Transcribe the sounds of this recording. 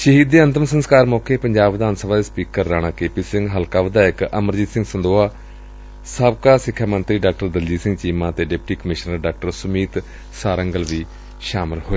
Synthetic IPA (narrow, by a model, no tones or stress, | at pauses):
ʃəɦiːd̪ːeːə̃nt̪əmsənskaːɾmɔːkʰeːpəɲd͡ʒaːbʋɪd̪aːnsəbaːd̪eːspiːkəɾːaːɽ̃ãːkeːpiːsɪ̃ŋɡɦəlkaːʋəd̪aːɪkəməɾd͡ʒiːsɪ̃ŋɡsənd̪oːaː | səbkaːsɪkʰːjaːmənt̪ɾiːɖaːk̚ʈəɾd̪əld͡ʒiːsɪ̃ŋɡt͡ʃiːmãːt̪eːɖɪp̚ʈiːkəmɪʃnəɾɖaːk̚ʈəɾsʊmiːt̪ | saːɾəŋɡəlʋiː | ʃaːmɪlhoːeː